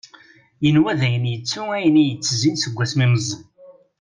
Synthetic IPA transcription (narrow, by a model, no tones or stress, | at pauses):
jənwæðæjənjət͡sːuæjənijət͡sːzinsəɡʷːæsmiməzˤn